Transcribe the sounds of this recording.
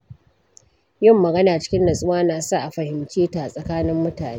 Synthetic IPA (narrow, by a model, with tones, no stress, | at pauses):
jɪ˦˨mːɐ˨ɡɐ˦naː˨t͡ʃɪ̥˦kʲɪ˦nlɐ˨sʼʊ˦waː˦naː˨sa˦ʔa˨ɸɐ˨hɪ˨mt͡ʃeː˦ta˨sʼɐ˨kaː˦nɪ˦mːʊ˦taː˨ne˦